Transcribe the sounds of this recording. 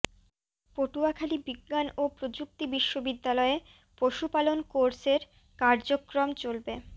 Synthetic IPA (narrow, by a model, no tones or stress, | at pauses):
poʈuakʰalibiɡːanopɾod͡ʑuk̚t̪ibiʃːobid̪ːalɔe | poʃupalonkoɾseɾ | kaɾd͡ʑokɾomt͡ɕolbe